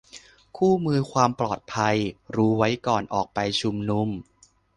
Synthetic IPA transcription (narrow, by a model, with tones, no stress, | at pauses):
kʰuː˥˩mɯː˧kʰwaː˧mplɔː˨˩t̪̚pʰa˧jɾuː˦˥wa˦˥jkɔː˨˩nʔɔː˨˩k̚pa˧jt͡ɕʰu˧mnu˧m